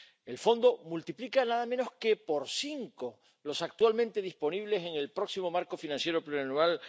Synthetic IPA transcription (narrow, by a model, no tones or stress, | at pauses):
e̞lfo̞nd̪o̞mult̪iplikanaðamẽno̞hske̞po̞ɾsiŋko | lo̞sak̚t̪walmẽnt̪e̞ðispo̞niβle̞se̞ŋe̞lpɾo̞ksimo̞maɾko̞finãnsje̞ɾopluanũal